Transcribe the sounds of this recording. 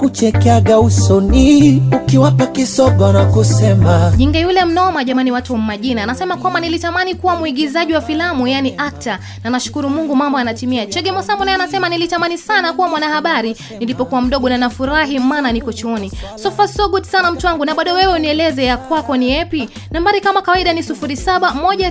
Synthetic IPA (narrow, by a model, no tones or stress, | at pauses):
kut͡ʃɛkɛaɡausɔniukiwapakisɔɡɔnakusɛmaʄiŋɡɛjulɛm̩nɔmaʄamaniwatuam̩maʄinaːnasɛmakwambanilitamanikuwamuiɡizaʄiwafilamujaniʔak̚ta | nanaʃu̥kuɾumuŋɡumambɔjanatimiat͡ʃɛɡɛmɔsambɔnajanasɛmanilitamanisanakuwamwanahaɓaɾi | nilipɔkuwam̩ɗɔɠɔnanafuɾaɦimaːnanikɔt͡ʃɔɔnisɔfasɔɡutsanam̩tuwaŋɡunaɓaɗɔwɛwɛuniɛlɛzɛjakwakɔniɛpi | nambaɾikamakawaiɗanisufuɾisaɓamɔʄa